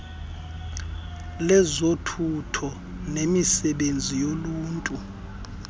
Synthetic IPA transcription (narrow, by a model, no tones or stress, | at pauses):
lɛzotʰutʰɔ | nemisɛɓend͡zʱijoluːntʼu